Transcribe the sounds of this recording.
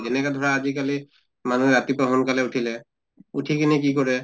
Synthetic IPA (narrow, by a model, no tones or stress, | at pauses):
d͡ʒɛnɛkadʱɔɹaːzikali | manuɛɹatipaɦɔnkalɛutʰilɛ | utʰikinik̬ikɔɹɛ